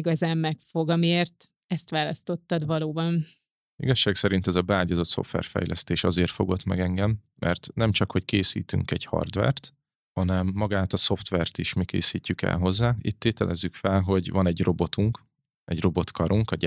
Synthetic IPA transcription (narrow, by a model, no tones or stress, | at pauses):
iɡɒzaːmːɛkfoɡɒmieːrt̪ | ɛst̪ʋaːlɒst̪o̞t̪ːɒd̪ʋɒloːbɒn | iɡɒʃːaːksɛɾint̪ɛzɒbɛaːɟɒzo̞t̪so̞̰ft̪ʋɛ̰rfɛ̰jlʔɛst̪eːʃɒzeːrt̪fo̞ɡo̞t̪mɛɡɛŋɡɛmːɛ̰rt̪nɛmt͡ʃɒkho̞ckeːsḭːt̪y̰ŋkɛ̰ɟhɒ̰rd̪ʋɛ̰rt̪ | hɒnɛmːɒɡaːt̪ɒso̞ft̪ʋɛrt̪iʃmikḛːsiːcːykɛ̰lɦo̞zːaːit̪ːeːt̪ɛlʔɛzːykfɛlɦo̞ɟvɒnɛɟro̞bo̞t̪uŋk | ɛɟro̞bo̞t̪kɒɾuŋkɒ